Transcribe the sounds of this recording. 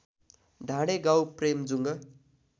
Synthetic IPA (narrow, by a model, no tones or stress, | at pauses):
ɖʱãɽeɡawpremd͡zuŋɡʌ